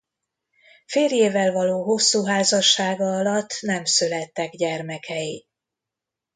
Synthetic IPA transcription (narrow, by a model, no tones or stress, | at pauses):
feːljeːvɛlvɒloːɦo̞sːuːɦaːzɒʃːaːɡɒɒlɒt̪ːnɛmsølɛt̪ːɛɡɟɛrmɛkʰɛji